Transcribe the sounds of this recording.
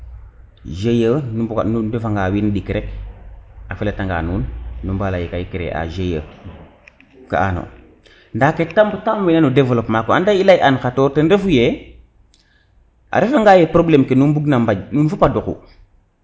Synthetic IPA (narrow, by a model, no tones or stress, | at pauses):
ʒejənuudufaŋɡawinɗikɾek | afeletaŋɡa̰ːnuːnːumbalajekajikɾḛʔa̰ʒejə̰ | ka̰a̰no̰ | ndaketambutamwinanudevelopmakoandailajʔankatoɾtənɾefuje | ʔa̰ɾefaŋɡaːjepɾoblemkenunbuɡnambaɟnunfupadukṵ